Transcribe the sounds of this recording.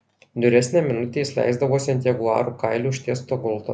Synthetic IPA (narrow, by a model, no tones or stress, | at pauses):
d̪ʊɾʲɛsʲnʲæːmʲɪnʊt̪ʲeːɪsʲlʲæ̰ˑɪzd̪ɐʋoːsʲɛnʲt̪ʲɛɡʊɑ̰ːɾuːkaɪlʲuːʃʲt̪ʲiɛst̪oːɡɔlˠt̪o̰